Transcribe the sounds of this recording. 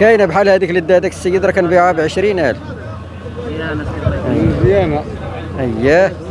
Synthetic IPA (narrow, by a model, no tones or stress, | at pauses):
kæjnæbħalːhæd̪ikləd̪ːæd̪æksːəjːəd̪ɾˤɑkænbiʕaæbʕəʃɾinʔæl | zjænæ | ʔəjːæ